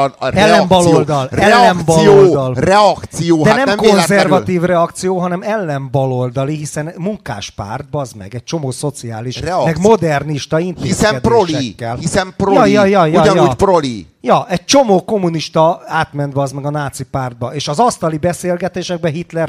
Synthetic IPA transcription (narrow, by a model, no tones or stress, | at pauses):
ɛlːɛmbɒlold̪ɒlɛlɛlːɛmbɒljold̪ɒlrɛɒkt̪sijoːdɛanɛmmkonzɛrvɒt̪iːvrɛɒkt̪sijoːɦɒnɛmɛlːɛmbɒlo̞ld̪ɒliɦisɛnmuŋka̰ːʃpa̰ːrd̪̚bɒzmɛ̰ɡɛc̚t͡ʃo̞moːso̞t̪sia̰ːliʃɛmɛɡmo̞d̪ɛrniʃt̪ɒint̪eisɛɛd̪peoʃlɛkːɛlhisɛmprojɒjɒjɒjuɒjopɾolijɒʔɛɟ̚t͡ʃo̞moːko̞muniʃt̪ɒaːt̪mɛnd̪bɒzmɛɡɒnaːt̪sipaːrd̪̚bɒeːʃɒzɒst̪ɒlibɛseːlɡɛt̪eːʃɛɡ̚bɛɦit̪lɛr